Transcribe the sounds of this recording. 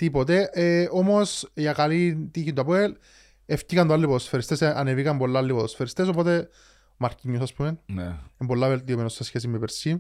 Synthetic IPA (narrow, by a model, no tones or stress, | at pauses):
t̪ipot̪̬eʔeomosjakalit̪içind̪ɐpwel | eft̪ikɐnt̪oalːipot̪osfeɾest̪esanevikɐmbolːaalːipot̪osfeɾest̪eso̞pot̪e | maɾciɲːusaspumenneembolːavelt̪iomenosːesçes̬imepeɾsi